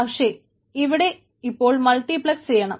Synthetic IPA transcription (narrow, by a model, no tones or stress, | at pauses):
ɐʂe | iʋiɽe̞ | ipːo̞ːɭmɐlʈːiplɐkst͡ɕejːɐɳɐ̰m